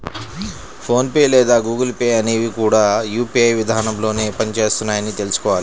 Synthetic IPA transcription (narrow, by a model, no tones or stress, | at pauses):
pʰo̞ːnpeːlɛːd̪aːɡuːɡɐlpeːɐneːʋikuːɽaːjuːpiɐjʋid̪ʱaːnɐmlo̞ːne̞ːpɐnit͡ʃe̞ːst̪unːaːjɐnit̪e̞lusu̥kɔːʋaːli